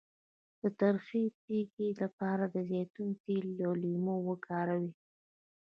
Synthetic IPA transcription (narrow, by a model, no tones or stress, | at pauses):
d̪̥ət̪aɾxipeɡilapɑɾad̪əzjɑt̪uŋkilolimowəkʰɑɾawi